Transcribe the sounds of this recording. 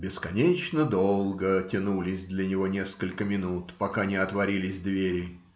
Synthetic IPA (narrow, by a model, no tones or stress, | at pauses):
bʲɪskɐnʲet͡ɕnəd̪olˠɡətʲɪnulʲɪsʲd̪lʲənʲɪvonʲeskəlʲkəmʲɪnut̪pɐkanʲɪɐt̪vɐɾʲilʲɪsʲd̪vʲeɾʲɪ